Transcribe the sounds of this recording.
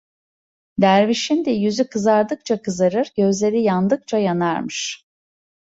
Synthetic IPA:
d̪æɾviʃind̪ɛjyzykʰɯzaɾd̪ɯk̚t͡ʃʰakʰɯzaɾɯɾɟø̞zlʲe̞ɾijand̪ɯk̚t͡ʃʰajanaɾmɯʃ

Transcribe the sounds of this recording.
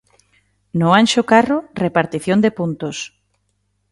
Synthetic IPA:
nʊanʃʊkarʊrepaɾt̪iθjond̪epunt̪ʊs

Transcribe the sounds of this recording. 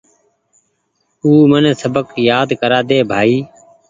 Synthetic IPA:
uːmənːsəbəkjaːd̪kəɾaːd̪eːbʱaːiː

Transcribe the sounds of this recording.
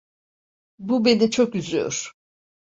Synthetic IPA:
bubenit͡ʃʰokyzy̰jo̰ɾ̥

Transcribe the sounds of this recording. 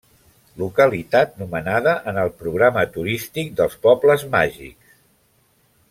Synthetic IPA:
lukəlit̪at̪̚numənaðəʔənəlˠpɾuɣɾamət̪uɾist̪ik̚d̪əlˠspɔbləzmaʒḭks

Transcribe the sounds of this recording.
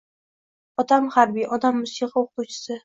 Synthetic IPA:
ɒt̪ʰamhaɾbijɒd̪amːʊsiqɪoqʊwt͡ʃʰɪ̥sɪ

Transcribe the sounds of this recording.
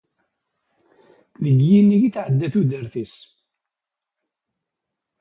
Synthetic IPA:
ðəɡjinːiʝiθʕəd̪ːæθud̪əɾθis

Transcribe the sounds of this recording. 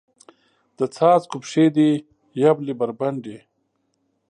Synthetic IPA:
d̪̥ət͡sʰaːt͡skupʂed̪i | jablibɐɾbɐɳɖe

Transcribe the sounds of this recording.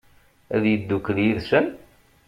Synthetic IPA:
æðjəd̪ːukːðjiðsən

